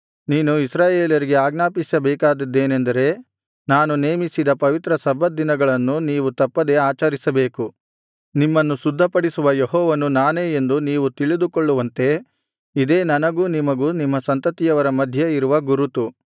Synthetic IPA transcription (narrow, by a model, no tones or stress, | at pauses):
niːnuisɾaːjeːljɐɾiɡe̞aːɡnaːpisɐbɛːkaːd̪ɐd̪ːe̞ːnend̪ɐɾe̞ | naːnune̞ːmisid̪ɐpɐʋit̪ɾɐsɐbʱɐd̪inɐɡɐɭɐnːuniːʋut̪ɐpːɐd̪e̞aːt͡ʃɐɾisɐbe̞ːku | nimːɐnːusud̪ʱːɐpɐɽisuʋɐjeɦɔːʋɐnunaːne̞ːend̪uniːʋut̪iɭid̪ukoɭːuʋɐnt̪e̞ | id̪e̞ːnɐnɐɡuːnimɐɡuːnimːɐsɐnt̪ɐt̪ijɐʋɐɾɐmɐd̪ʱjɐiɾuʋɐɡuɾut̪u